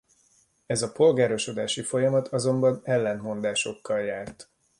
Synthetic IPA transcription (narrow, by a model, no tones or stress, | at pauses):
ɛzɒpo̞lɡaːɾo̞ʃo̞d̪aːʃifo̞jɒmɒt̪ʰɒzo̞mbɒnɛlːɛnmo̞nd̪aːʃo̞kːɒljaːrt̪